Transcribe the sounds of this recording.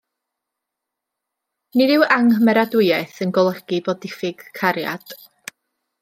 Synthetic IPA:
nɪdɪwʔaŋhmɛɾadʊɨɛθənɡɔlˠəɡ̥ibɔdɪfɪɡ̥kʰːaɾja̰d̥

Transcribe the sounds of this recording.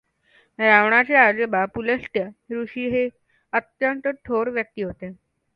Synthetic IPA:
ɾaʋɳat͡ɕead͡zəbapuləsʈ̪jaɾuɕiːɦe | ət̪jənt̪əʈʰoɾʋjək̚t̪iːɦot̪e

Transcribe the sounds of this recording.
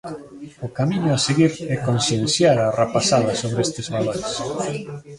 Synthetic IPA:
ʊkamiɲʊaseɣiɾɛkonsjẽnθjaɾarapasaðɐsoβɾeest̪ɪzβaloɾes

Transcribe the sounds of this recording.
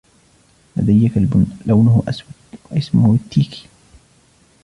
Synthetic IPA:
la̰d̪ajːakalblawnʊhʊʔaswad̪waʔɪsmʊhʊt̪ːiːki̥

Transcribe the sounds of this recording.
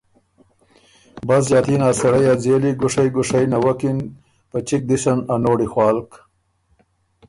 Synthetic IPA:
baz̬zɑːt̪inɑːsaɽajad͡zeliɡʊʂajɡʊʂajnawakin | pət͡ʃik̚d̪isananoːɽixwɑːlk

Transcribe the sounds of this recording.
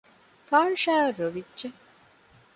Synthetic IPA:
faːɾʃaːɾoʋidd͡ʒe

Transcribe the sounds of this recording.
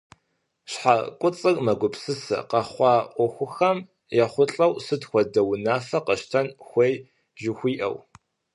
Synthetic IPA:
ɕħakʷʼʊt͡sʼɨrmɐɡʷʊpsɨsɐ̰qɐχʷɑːʔʷɔxʷʊxɐm | jɛχʷʊɬʼɐwsɨtxʷɔdɐwnaːfɐqɐʃtʰɐnxʷej | ʒɪxʷiːʔɐ̰w

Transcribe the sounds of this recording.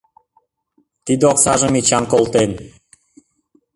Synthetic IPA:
t̪id̪oksɑʒə̆mit͡ɕɑnkolˠt̪en

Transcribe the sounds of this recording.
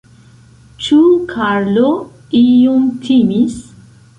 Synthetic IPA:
t͡ʃukʰaɾlo | iomtʰimis

